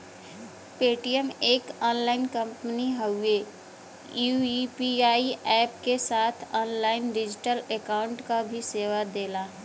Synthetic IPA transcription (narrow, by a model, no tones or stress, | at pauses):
peːʈijəmeːkɔːnlaːɪnkə̃mpəniɦəe | juipiaːiɛːpkesaːt̪ʰɔːnlaːɪnɖɪd͡ʒɪʈəlekaːʊ̃ɳʈkabʱiseːʋad̪eːlaː